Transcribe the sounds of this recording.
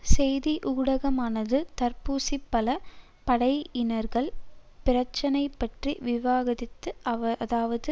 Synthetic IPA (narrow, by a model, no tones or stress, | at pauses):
sɛjðiʔuːɽɐɣɐmaːnɐðɯt̪ɐɾpuːsipːɐlɐ | pɐɽɐɪɪnɐɾɣɐɭpɪɾɐt͡ʃːɐnɐɪpːɐʈriʋɪʋaːɣɐðɪt̪ːɯðaːʋɐðɯ